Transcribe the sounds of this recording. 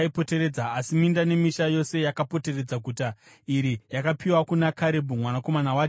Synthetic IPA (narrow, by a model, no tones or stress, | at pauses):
ipo̞te̞ɾed͡zaːsimindane̞miʃajo̞se̞jakapo̞te̞re̞d͡zakuta | iɾijakapiwakunakʰaɾebʱumwanako̞manawaːt͡ʃe